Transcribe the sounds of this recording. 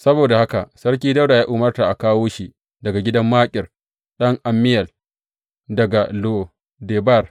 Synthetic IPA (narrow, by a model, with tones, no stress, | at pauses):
sɐ˦boː˨da˨ha˦ka̰˨ʔsɐ˦ɽk̬ʲiː˦dɐ˦wda˨jaː˦ʔuː˨mɐ˦rta˨ʔa˨kaː˦woː˦ʃi˦ | dɐ˨ɡa˨ɡʲɪ˦dɐ˦mːaː˦kʲʼɪ˨r | ɗɐ˦ŋʔa˨mːɪ˦jɐ˨l | dɐ˨ɡa˨lo˦ | deː˨bɐ˦˨r